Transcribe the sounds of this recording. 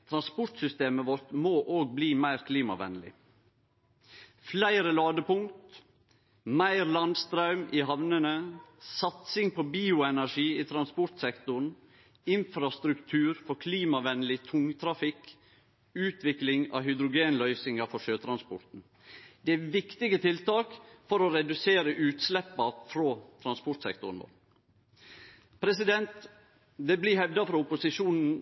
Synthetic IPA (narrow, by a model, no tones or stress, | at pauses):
t̪ʰɾɑnspɔɾʈ̪sʏst̪eːməʋɔɾt̪moːʔoːɡ̚bliːmæɪɾkʰliːmɑ̰ʋɛ̰nlɪ̰ | flæɪɾəlɑːd̪əpʊŋt̪ | mæɪɾlɑnd̪st̪ɾɑʉmɪhɑʋnənəsɑt̪sɪŋpʰɔbiːʊɛnæʂiːɪt̪ʰɾɑnspɔɾʈ̪sɛkt̪ʊɳ̩ | ɪnfɾɑst̪ɾʉkt̪ʰʉːɾfɔɾkʰliːmɑʋɛnlɪt̪ʰʊŋt̪ʰɾɑfɪk | ʉːt̪ʰʋɪklɪŋɑ̰ɦʏd̪ɾʊɡeːnlœʏsɪŋɑfɔʂøːt̪ʰɾɑnspɔ̰ɾt̪n̩ | d̪̥ɛæʋɪkt̪ɪɡət̪ʰɪlt̪ɑːkfɔɾoɾɛd̪ʉseːɾəʔʉːt̪slɛpːɑfɾoːt̪ʰɾɑnspɔʈ̪sɛ̰kt̪ʊɾɳ̩ʋɔ̰ɾ | pʰɾɛsɪd̪ɛnt̪ | d̪ɛblɪhɛʋd̪ɑfɾɔʊpʊsɪʂuːnn̩